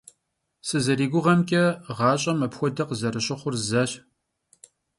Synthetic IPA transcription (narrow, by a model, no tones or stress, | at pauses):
sɨzɐɾiːɡʷʊʁɐmkʲʼɐʁɑːɕʼɐmɐpxʷɔdɐqəzɐɾɨɕɪχʷʊrzɐɕ